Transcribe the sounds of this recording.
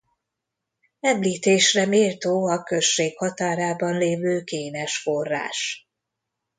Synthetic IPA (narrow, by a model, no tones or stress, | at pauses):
ɛmliːt̪eːʃrɛmeːlt̪oːɒkø̞ʃːeːkhɒt̪aːɾaːbɒnleːvøːkeːnɛʃfo̞rːa̰ːʃ